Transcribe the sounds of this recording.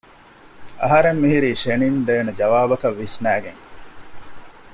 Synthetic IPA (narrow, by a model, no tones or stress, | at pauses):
ɐ̰ɦɐɾemːiɦiɾiːʃenind̪eːned͡ʒɐʋaːbɐkɐʋːisnæːɡeŋ